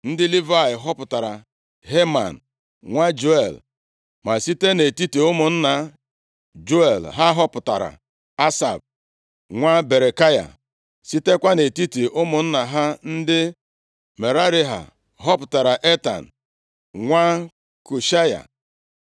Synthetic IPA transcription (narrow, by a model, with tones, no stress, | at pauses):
n̩˦dɪ˦li˦va˦ɪ˨ɦɔ˦pʊ˨ta˨ɾa̰˨ | ɦe˦ma̰˨n̩˨ | ŋʷa˦d͡ʒo˦e˨l | ma˨si˦te˦ne˨ti˦te˨ʊ˦mʊ˨n̩˦na˨ | d͡ʒo˦e˨lɦa˦ɦɔ˦pʊ˨ta˨ɾa̰˨ | a˦sa̰˨b̚ | ŋʷa˦be˨ɾe˨ka˦ja̰˨ | si˦te˦kʷa˦ne˨ti˦ti˨ʊ˦mʊ˨n̩˦na˨ɦa˦n̩˦dɪ˦ | me˨ɾa˦ɾi˦ɦa̰˨ | ɦɔ˦pʊ˨ta˨ɾa˨ʔe˦ta̰˨n̩˨ | ŋʷa˦ | ku˨ʃa˦ja̰˨